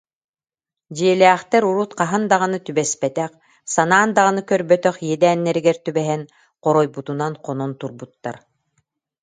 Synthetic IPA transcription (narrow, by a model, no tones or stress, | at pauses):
d͡ʑiɛlʲɛːχt̪ɛɾuɾut̪qaɦand̪aʁɯnɯt̪ybɛspɛt̪ɛq | sanaːnd̪aʁɯnɯkœɾbœt̪œχjɛd̪æːnːɛɾiɡɛɾt̪ybɛɦɛn | qɔɾɔjbut̪unanqʰɔnɔnt̪uɾbut̪ːa̰ɾ